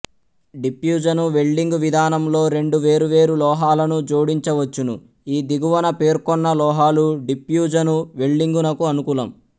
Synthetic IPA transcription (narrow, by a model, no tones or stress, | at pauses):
ɖipjuːd͡ʒɐnuʋe̞ɭɖiŋɡuʋid̪ʱaːnɐmlo̞ːɾe̞ɳɖuʋe̞ːɾuʋe̞ːɾulɔːɦaːlɐnud͡ʒoːɽiɲt͡ʃɐʋɐt͡ʃːunu | iːd̪iɡuʋɐnɐpe̞ːɾkɔnːɐlɔːɦaːluɖipjuːd͡ʒɐnuʋe̞ɭɖiŋɡunɐkuɐnukuːlɐm